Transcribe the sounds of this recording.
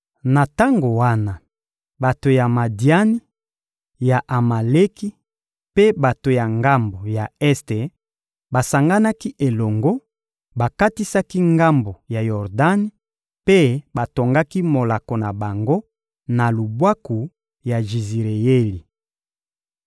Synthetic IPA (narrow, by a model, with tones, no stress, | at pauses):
na˨ta˦ŋɡo˨wa˦na˨ | ba˨to˨ja˨ma˨di˨a˦ni˦ | ja˨ʔa˨ma˨le˦ki˦ | pe˦ba˨to˨ja˨ŋɡa˦mbo˨ja˨ɛ˦ste˨ | ba˨sa˨ŋɡa˦na˦ki˦ʔe˨lɔ˨ŋɡo˦ | ba˨ka˦ti˦sa˦ki˦ŋɡa˦mbo˨ja˨jɔ˨ʁda˦ni˦ | pe˦ba˨to˨ŋɡa˦ki˦mo˨la˨ko˨na˨ba˨ŋɡo˦ | na˨lu˨bwa˦ku˨ | ja˨ʒi˨zi˨ʁe˨je˦li˨